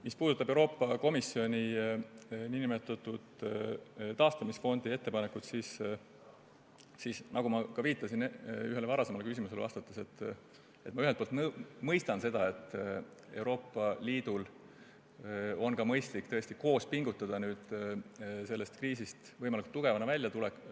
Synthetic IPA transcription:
mispuːd̪ut̪ːˑɑb̥e̞uwɾoːpːˑɑko̞misːio̞nʲi | ninimet̪ːˑɑt̪ːˑud̪̥ | t̪ɑːst̪ɑmisfo̞nd̪̥ie̞t̪ːe̞pɑnekut̪sis | sisnʔɑɡumɑkɑviːt̪ːˑɑsinyɦe̞levɑɾɑse̞mɑlekys̬imuse̞leɑ̰st̪ɑt̪ːˑese̞t̪ː | e̞t̪ːmɑyɦelt̪polt̪mɤjst̪ɑnse̞d̪ɑe̞t̪ːˑ | e̞wɾo̞ːpˑːɑliːd̪̥ul | o̞nkɑmɤ̞jst̪likt̪ɤe̞sʲt̪iko̞ːspiŋɡ̥ut̪ːˑɑd̪̥ɑnyːd̪ | se̞lːe̞st̪kriːsist̪vɤjmɑlikult̪ːuɡ̥e̞vɑnɑvælʲjɑt̪ulekː

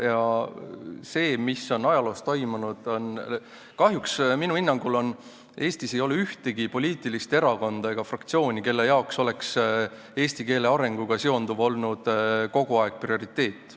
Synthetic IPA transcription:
jɑ | se̞ːmisːo̞nɑjɑlo̞ːst̪o̞jmunud̪̥on | kɑɦjuksminuinːɑŋɡulo̞n | ʔe̞ːst̪ise̞jo̞leyht̪eɡipo̞lʲiːt̪ˑilist̪e̞ɾɑko̞nd̪̥ɑe̞ɡ̥ɑfrɑkt̪sio̞ːnʲike̞lːe̞jɑokso̞le̞ks | e̞ːst̪ike̞ːle̞ɑɾe̞ŋɡ̥uɡ̥ɑseo̞nd̪̥uvo̞lnud̪̥ko̞ɡ̥uɑe̞ɡ̥̚prio̞ɾit̪ːe̞ːt̪ːˑ

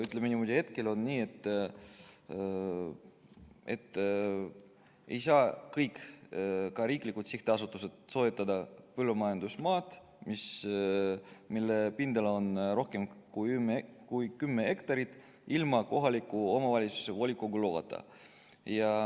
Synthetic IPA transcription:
yt̪ːˑlemenimo̞d̪ʲihe̞t̪ke̞lo̞nniːe̞t̪ːˑ | e̞t̪ː | e̞jsɑːkɤjk | kɑɾiːklikːut̪siht̪eɑsut̪ːˑuse̞t̪so̞et̪ˑːɑd̪ɑpɤlːumɑjɑnd̪usmɑːt̪ | mis | milːepind̪ɑlo̞nro̞hke̞mkuymkujkymːee̞kt̪ɑɾit̪ˑ | ilmɑko̞ɦɑlʲikːˑuo̞mɑvɑlʲit̪su̥sevo̞lʲikːˑoɡuloɡɑ̰t̪ːˑɑ̰ | jɑ

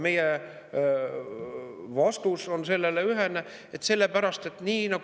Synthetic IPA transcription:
me̞je | vɑst̪uso̞nse̞lːe̞leyɦene | et̪ːse̞lːe̞pæɾɑst̪e̞t̪ːniːnɑɡ

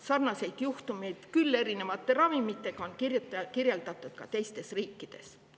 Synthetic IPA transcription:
sɑrnɑse̞jd̪̥juht̪umejd̪̥kylːe̞ɾine̞vɑt̪ːˑe̞ɾɑvimit̪ˑːe̞ɡ̥ɑo̞nkirjut̪ːkirjeld̪̥ɑt̪ːˑud̪̥̚kɑt̪e̞jst̪e̞sriːkːˑid̪̥e̞̰s

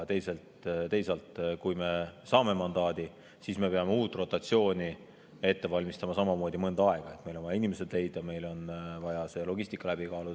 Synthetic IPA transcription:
t̪e̞jse̞lt̪t̪e̞jsɑlt̪kujme̞sɑːme̞mɑnd̪ɑːd̪̥i | siːsme̞peɑmeuːt̪ːˑro̞t̪ːˑɑt̪sio̞ːnʲi | e̞t̪ːe̞vɑlʲmist̪ɑmɑsɑmɑmo̞ːd̪ʲimɤnd̪ɑɑe̞ɡ̥ɑe̞t̪me̞jlo̞nɑjɑinimese̞d̪le̞jd̪̥jɑme̞jlo̞nvɑjɑselo̞ɡisʲt̪ikːˑɑlæb̥ikɑːlud̪

